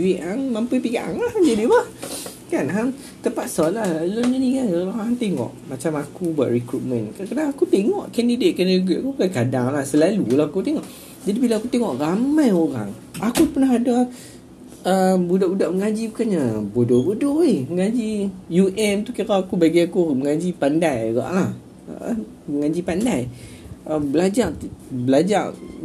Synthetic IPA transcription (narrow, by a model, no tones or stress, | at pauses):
uiʔaŋmampujpikaʔa̰ŋlahd͡ʒadibah | kanɦa | t̪əpat̪̚sɔlahloɲəanikanaant̪eŋɔ̰ʔmat͡ʃamakubua̰ʔrikɾut̪̚mənkakadaŋakut̪eŋɔʔkɛndidet̪̚kənɡiʔkukankadaŋlahsəlalulahakut̪eŋɔʔ | d͡ʒadibilaakut̪eŋɔʔramãjoɾa̰ŋ | ʔakupənaɦada | əbudaʔudaʔməŋad͡ʒibukaɲabodɔbodɔihməŋad͡ʒijuʔɛmt̪ukiɾaakubaɡiakuməŋad͡ʒipandajɡa̰ʔlah | məŋad͡ʒipandaj | əbəlad͡ʒaʔ̪bəlad͡ʒaʔ